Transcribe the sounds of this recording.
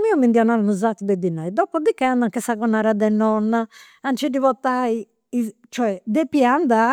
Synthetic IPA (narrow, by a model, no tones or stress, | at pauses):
miɔmind̪iɔnaɾanuzat̪ːud̪ɛd̪inːajd̪ɔpːɔd̪ikːɛand̪aŋkɛsaɣɔnːaɾad̪ɛnːɔnːa | ant͡ʃɛdiβɔt̪ːai | it͡ʃɔɛd̪ɛpːiand̪a